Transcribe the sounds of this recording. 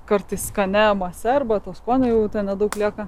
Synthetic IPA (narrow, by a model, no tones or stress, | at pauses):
kɐɾt̪ɐɪskɐnʲɛmɐsʲɛrbɐt̪oːskoːnʲɛjɛʊt̪ʲɛnnʲɛd̪ɐʊklʲiɛkɐ